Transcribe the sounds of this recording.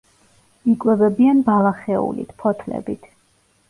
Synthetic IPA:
ikʼwɛvɛbianbalˠaχɛṵlḭt̪ʰpʰɔt̪ʰlɛ̰bit̪ʰ

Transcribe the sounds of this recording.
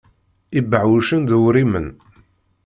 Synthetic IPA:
ibəʕwuʃənðuwɾimə̰n

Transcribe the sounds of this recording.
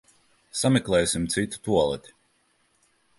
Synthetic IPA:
samɛklˠɛːsimt̪sit̪u̥t̪uɔlˠɛ̰t̪ʲi̥

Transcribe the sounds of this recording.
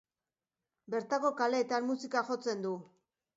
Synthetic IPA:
be̞ɾt̪ako̞kale̞ːt̪anmusikaxo̞t͡se̞nd̪u

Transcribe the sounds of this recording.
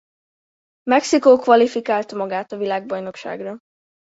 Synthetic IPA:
mɛksikoːkʋɒlifikaːlt̪ɒmɒɡaːt̪ɒvilaːɡ̚bɒjno̞kʃa̰ːɡro

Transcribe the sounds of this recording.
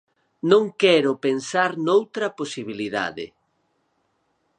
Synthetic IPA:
nõŋkɛɾʊpensaɾnowt̪ɾɐposiβiliða̰ðɪ̰

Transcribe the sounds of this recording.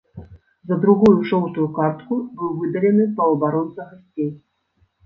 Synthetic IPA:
zɐd̪ɾuɣujuʂɔwt̪ujukart̪kubɨwvɨd̪ɐlʲɛnɨpɐwɐbaɾɔnt̪sɐɣasʲtʲt͡sʲej

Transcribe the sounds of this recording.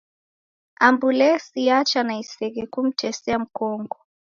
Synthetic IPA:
ambulɛsiat͡ʃanaisɛɣɛkum̩tʰɛsɛam̩kɔŋɡɔ

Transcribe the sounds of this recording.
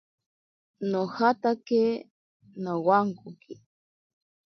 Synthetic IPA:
nohat̪ake | nowaŋkʊki

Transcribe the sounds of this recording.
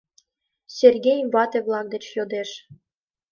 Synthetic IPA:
sʲerɡʲejmvɑt̪eβlˠɑk̚d̪et͡ɕjod̪eʃ

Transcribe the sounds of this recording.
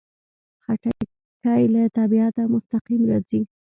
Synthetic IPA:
xaʈa | kajlat̪abiat̪amʊst̪aqimɾɑzi

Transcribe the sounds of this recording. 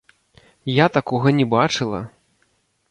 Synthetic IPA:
jat̪akɔɣɐnʲɛbat͡ʂɨlˠɐ̰

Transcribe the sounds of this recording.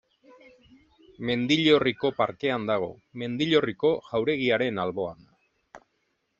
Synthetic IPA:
me̞nd̪iʎo̞riko̞paɾke̞and̪aɣ̞o̞̰me̞nd̪iʎo̞riko̞ɣawɾe̞ɣ̞iaɾe̞nalβo̞an

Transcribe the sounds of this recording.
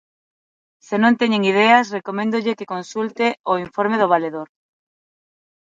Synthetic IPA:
senõnt̪eɲeŋið̞easrekomẽnd̪oʎekekonsult̪eoiɱfoɾmeð̞oβ̞aleðoɾ

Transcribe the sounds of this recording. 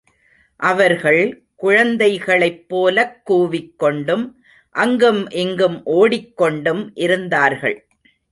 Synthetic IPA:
ʔɐʋɐɾɣɐɭ | kʊɻɐnd̪ɐɪɣɐɭɐɪpːoːlɐkːuːʋɪkːɔɳɖɯm | ʔɐŋɡɯmʔɛŋɡɯmʔoːɽɪkːɔɳɖɯmʔɪɾɯnd̪aːɾɣɐɭ

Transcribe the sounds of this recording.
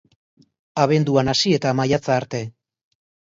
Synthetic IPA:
aβe̞nd̪uanasie̞t̪amajat͡saːɾt̪e̞

